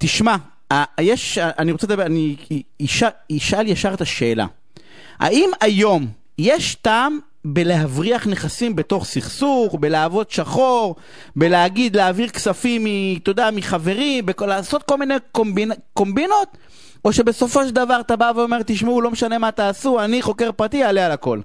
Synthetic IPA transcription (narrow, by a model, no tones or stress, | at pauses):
t̪iʃma | ajeʃaaniʁo̞t͡set̪abaniʃaiʃʔaljaʃaʁet̪aʃe̞ːla̰ | ha̰ʔimajo̞m | jeʃtaːm | be̞leɦavʁiaχneχasimbe̞t̪o̞χsiχsuχbe̞leːvo̞d̪ʃaχo̞ʁ | beleaɡid̪leaviʁksafimːit̪od̪amiχave̞ʁimbekolaːso̞t̪̚ko̞lminekombinko̞mbinot̪ | ʔo̞ʃe̞be̞so̞fo̞ʃeld̪avaʁat̪abaveome̞ʁt̪iʃmeulo̞meʃane̞mat̪aːsuaniχo̞ke̞ʁpʁat̪ialealako̞̰l